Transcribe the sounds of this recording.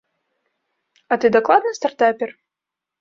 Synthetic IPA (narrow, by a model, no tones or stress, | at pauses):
ɐt̪ɨd̪aklˠad̪nɨst̪art̪apʲɛr